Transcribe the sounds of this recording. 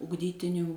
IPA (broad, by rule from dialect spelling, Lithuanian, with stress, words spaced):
ʊɡˈdʲiːtʲɪnʲuː